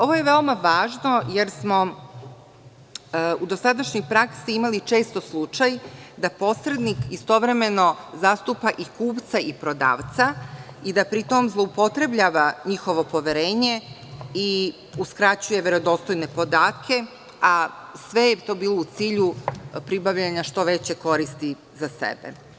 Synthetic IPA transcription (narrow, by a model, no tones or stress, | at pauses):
o̞ʋo̞je̞ʋe̞omaʋaːʒno̞jeɾsmo̞ | ud̪o̞sad̪aʃɲipɾaksiimalit͡ʃe̞ːst̪oslˠut͡ʃajd̪apo̞sɾe̞d̪nikist̪o̞ʋɾe̞me̞no̞zast̪upaʔikuːpt̪saipɾo̞d̪a̰ːʋt̪sa | id̪apɾit̪o̞mzlˠo̞upo̞t̪ɾe̞bʎaːʋaɲixo̞ʋo̞po̞ʋeɾe̞ːɲe̞ | i | uskɾat͡ɕuje̞ʋeɾo̞d̪o̞st̪ojne̞po̞d̪aːt̪kʰe̞ | asʋe̞jet̪o̞ːbiːlˠo̞ut̪siːʎupɾibaʋʎaɲaʃt̪o̞ʋe̞t͡ɕe̞ko̞ɾist̪i | zasḛbḛ